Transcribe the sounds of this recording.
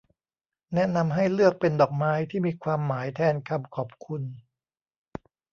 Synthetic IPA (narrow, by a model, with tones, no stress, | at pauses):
nɛ˦˥na˧mɦa˥˩jlɯ˥˩ək̚pe˧ndɔː˨˩k̚maː˦˥jt̪ʰiː˥˩miː˧kʰwaː˧mːaː˩˦jt̪ʰɛː˧nkʰa˧mkʰɔː˨˩p̚kʰu˧n